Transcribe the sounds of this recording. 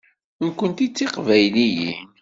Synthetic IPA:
nkʷənt̪it͡sːiqvæjlijḭn

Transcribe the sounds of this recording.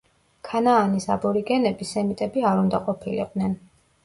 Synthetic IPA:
kʰanaːnisabɔɾiɡɛnɛbisɛmit̪ʼɛbiaɾund̪aqʼɔpʰilḭqʼd̪nɛn

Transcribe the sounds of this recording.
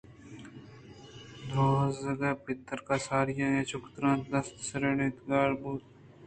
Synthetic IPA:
d̪ɾoːzɐɡɐːpɪt̪ːəɾkaːsaːɾɪjaːeːt͡ʃʰʊkt̪ɾãːnd̪ɐst̪sɾeɳɪt̪ɡaːɾbuːt̪

